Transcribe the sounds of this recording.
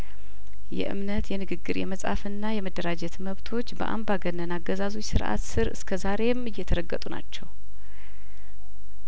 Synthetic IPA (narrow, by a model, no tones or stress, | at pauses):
jɛ̰ʔɨ̰mnət̪jɛnɨɡɨɡːɨɾjɛməsʼa̰fɨnːajɛməd̪ːəɾad͡ʒɛt̪məβt̪ʰo̞t͡ʃːbə̰ʔa̰mbaɡənːənaɡːəzazo̞t͡ʃːsɨɾʔa̰t̪sɨɾɨ̰skʰəzaɾe̞mɨjːɛt̪ʰəɾəɡːət̪ʼuna̰t͡ʃːɛw